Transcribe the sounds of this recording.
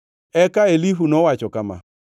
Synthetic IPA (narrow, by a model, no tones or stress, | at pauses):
ɛkaeliɸunɔwat͡ʃɔkama̰